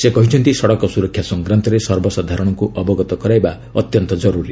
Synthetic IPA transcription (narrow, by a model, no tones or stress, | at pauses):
sekɔɦĩt͡sʰʌnt̪isʌɽɔkɔsuɾʌkʰːjasʌŋɡɾant̪ɔɾesʌrbɔsad̪ʱaɾɔɽ̃ɔkuʔʌbɔɡɔt̪ɔkʌɾajba | ʌt̪jʌnt̪ɔd͡zʌɾuɾi